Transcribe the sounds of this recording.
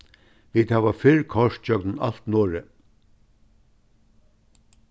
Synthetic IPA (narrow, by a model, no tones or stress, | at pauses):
ʋiːd̪haːʋafɪɹkʰɔʂt̚t͡ɕœknna̰lt̪nɔːɹə